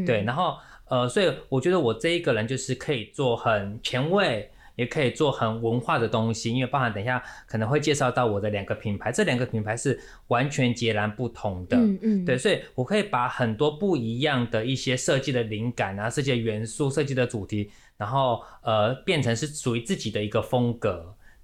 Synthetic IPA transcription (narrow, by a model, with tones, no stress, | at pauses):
t̪we˥˩ɪna˧˥nxo˥˩ʊ | ə˧swɔ˧˥i˨˩wɔ˨˩t͡ɕɥɛ˧˥d̪ə˧wɔ˨˩ʈ͡ʂɤ˥˧i˧˥ɡə˨ɻə˧˦nt͡ɕjo˥˧ʊʂɻ̩˥˩kʰə˧˥i˨˩t͡swɔ˥˩xə˨˩nt͡ɕʰjɛ˧˥nwe˥˩ɪ | jɛ˨˩kʰɤ˧˥i˨˩t͡swɔ˥˩xə˨˩nwə˧˦˥nxwa˥˩d̪ə˩t̪ʊ˥ŋɕi˧i˥nwe˥˧pɑ˥˩xa˧˥nt̪ə˨˩ŋɕja˥˩kʰə˨˩nə˧˥ŋxwe˥˧ɪt͡ɕjɛ˥˧ʂɑ˥˧ʊt̪ɑ˥˩ʊwɔ˨˩d̪ə˦ljɑ˨˩ŋɡə˦pʰi˧˥ŋpʰa˧˥ɪʈ͡ʂɤ˥˩ljɑ˨˩ŋɡə˧pʰi˧˥npʰa˧˥ɪʂɻ̩˥˩ | wa˧˥nt͡ɕʰɥɛ˧˥nt͡ɕjɛ˧˥la˧˥npu˥˩t̪ʰʊ˧˥ŋd̪ə˧˦t̪we˥˩ɪswɔ˧˥i˨˩wɔ˨˩kʰɤ˧˥i˨˩pa˧˩˦xə˨˩nt̪wɔ˥pu˥˩i˧˥jɑ˥˩ŋd̪ə˩i˥˩ɕjɛ˥ʂɤ˥˧t͡ɕi˥˩d̪ə˩li˧˥ŋka˨˩na˧˨˦ʂɤ˥˧t͡ɕi˥˩d̪ə˩ɥɛ˧˥nsu˥˧ʂɤ˥˧t͡ɕi˥˩d̪ə˩ʈ͡ʂu˨˩t̪ʰi˧˥ | na˧˥nxo˥˩ʊə˨pjɛ˥˩nʈ͡ʂʰɤ˧˥ŋʂɻ̩˥˩ʂu˨˩y˧˥t͡sɹ̩˥˩t͡ɕi˨˩d̪ə˦i˧˥ɡə˧fə˥ŋkɤ˧˥˦